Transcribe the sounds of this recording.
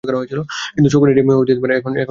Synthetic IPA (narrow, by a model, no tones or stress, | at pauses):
kaɾaɦojet͡ɕʰilokint̪ut͡ɕʰokoneɖimeobʱid͡ʑet̪epaɾeɛkʰonɛkʰ